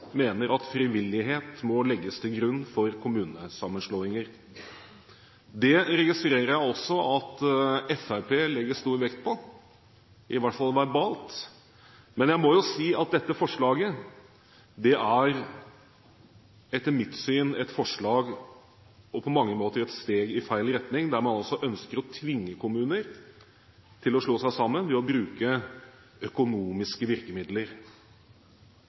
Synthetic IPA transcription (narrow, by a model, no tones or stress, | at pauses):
meːnəɾɑt̪fɾɪʋɪlːɪɦeːt̪mɔlɛɡːəst̪ʰɪlɡɾʉnːfɔɾkʰʊmʉːnəsɑmːənʂɭoːɪŋəɾ | d̪ɛɾɛɡɪst̪ɾeːɾəɾjæɪɔsːɔɑt̪ɛfæpʰeːlɛɡəst̪uːɾʋɛkt̪̚pʰɔ | ʔɪʋæʈfɑlʋæɾbɑːlt̪ | mɛnjæɪmɔjʊsiːɑt̪̚d̪ɛt̪ːəfɔʂɭɑːɡə | d̪ɛʔæɾ | ɛt̪ːəmɪt̪ːsyːnɛt̪fɔʂɭɑːɡ | ɔpʰɔmɑŋːəmoːt̪əɾɛt̪st̪eːɡɪfæɪlɾɛt̪nɪŋd̪æɾmɑnɑlsɔʔœnskəɾɔt̪ʰʋɪŋːəkʰʊmʉːnəɾ | t̪ʰɪlɔʂɭoːsæɪsɑmːənʋɛɔbɾʉːkə | œkʊnuːmɪskəʋɪɾkəmɪd̪ləɾ